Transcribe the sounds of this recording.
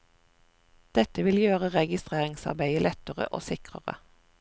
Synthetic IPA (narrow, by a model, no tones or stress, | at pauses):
d̪̥ɛt̪əʋɪljøːʁəʁɛɡɪst̪ʁeːʁɪŋsɑ̰ʁbæɪəlʔɛt̪əʁə̰ʔo̰ːsɪkʁə̰ʁə̰